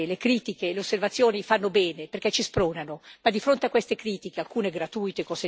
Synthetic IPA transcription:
lekɾiːt̪ikeleosːervat̪sːjoːnifanːobɛːneperkɛt͡ʃispɾoːnanomad̪ifɾont̪eakːwest̪ekɾiːt̪ik̟ealkuːneɡɾat̪uːjt̪ekɔse

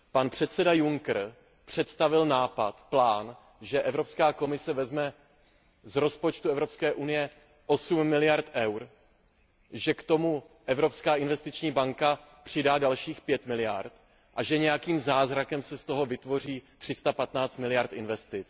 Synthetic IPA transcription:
panpr̝̥ɛt̪sɛdajuŋkr̩ | pr̝̥ɛt̪st̪avɪlnaːpat̪plaːn | ʒɛʔɛvɾo̞pskaːko̞mɪsɛvɛzmɛ | zɾo̞spo̞t͡ʃt̪uɛvɾo̞pskɛːʔunɪjɛ | ʔo̞sumːɪlɪjaɾt̪ʔɛwɾ | ʒɛkt̪o̞mu | ʔɛvɾopskaːʔɪnvɛst̪ɪt͡ʃɲiːbaŋka | pr̝̥ɪdaːdalʃiːxpjɛt̪mɪlɪja̰ɾt̪ | ʔaʒɛɲɛjakiːmzaːzɾakɛmsɛst̪o̞ɦo̞vɪt̪vo̞r̝iːt̪r̥ɪst̪apat̪naːt͡st̪mɪlɪjaɾt̪ɪnvɛst̪ɪt͡s

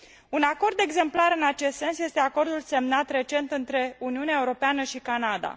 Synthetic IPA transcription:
unako̞rd̪e̞ɡze̞mplaɾɨnat͡ʃe̞st̪se̞nsje̞st̪e̞ako̞rd̪ulse̞mnat̪re̞t͡ʃe̞nt̪ɨnt̪ɾe̞uniuneaeuɾo̞peanəʃikanad̪a̰

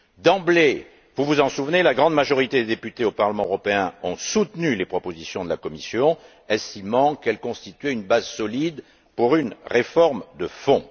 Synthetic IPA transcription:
d̪ɑ̃ble | vuvuzɑ̃suvnelaɡʁɑ̃d̪maʒɔʁit̪ed̪ed̪epyt̪eopaʁləmɑ̃øʁɔpeɛ̃ɔ̃sut̪nylepχɔpozisjɔ̃d̪əlakɔmisjɔ̃ | ɛst̪imɑ̃kɛlkɔ̃st̪it̪ɥɛynbazsɔlid̪ | puʁynʁefɔʁmd̪əfɔ̃

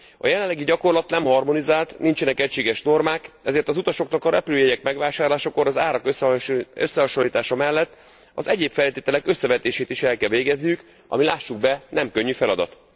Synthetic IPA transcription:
ɒ̰jɛlɛlːɛɡiɟɒko̞rlɒt̪nɛmhɒrmo̞nizaːlt̪nint͡ʃɛnɛkɛcʃeːɡɛʃno̞rmaːkɛzeːrt̪ɒzut̪ɒʃo̞knɒkɒɾɛpyløːjɛɟɛkmɛɡʋaːʃaːrlaːʃɒko̞ɾɒzaːɾɒkøø̰sːɛɦɒʃo̞lːiːt̪aːʃɒmɛlːɛt̪ː | ɒzɛɟeːpfɛlt̪eːt̪ɛlɛkø̞sːɛvɛt̪eːʃeːt̪iʃɛlkɛlveːɡɛznijyk | ɒ̰milaːʃːuɡ̚bɛnɛmkø̞ɲːyfɛlɒd̪ɒ̰t̪

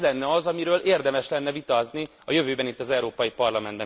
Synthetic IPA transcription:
lɛnːɛɒzɒmiɾøːleːrd̪ɛmɛʃlɛnːɛvit̪ɒːzni | ɒjø̞vøːbɛnit̪ːɒzɛuɾoːpɒjipɒrlɒmɛnd̪bɛ̃

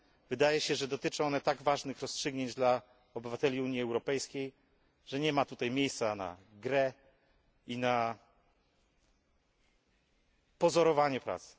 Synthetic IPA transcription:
vɘd̪ajɛɕɛʐɛd̪ɔt̪ɘt͡ʂɔɔnɛt̪aɡvaʐnɘxɾɔstʂɘɡɲeɲd͡ʑd̪la | ɔbɘvat̪ɛlʲiuɲjiɛwɾɔpɛjskʲej | ʐ̥ɛɲɛmat̪ut̪ajmʲjejst̪sana̰ɡɾɛ | ina | pɔzɔɾɔvaɲɛpɾa̰t̪s

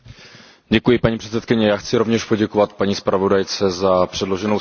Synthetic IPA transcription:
ɟɛkujɪpaɲiːpr̥ɛtt͡sɛt̪kɪɲɛjaːxt͡sɪɾovɲɛʃpo̞ɟɛkovat̪paɲiːspɾavo̞dajt͡sɛzapr̥ɛdlo̞ʒɛno

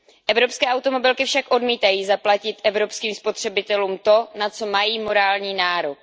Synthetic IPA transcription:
ʔɛvɾo̞pskɛːʔawt̪o̞mo̞bɪlkɪfʃakʔo̞dmiːt̪ajiːzaplacɪt̪ʔɛvɾo̞pskiːmspo̞t̪r̝̥ɛbɪt̪ɛluːmt̪o̞nat͡so̞majiːmo̞ɾaːlɲiːnaːɾok̚

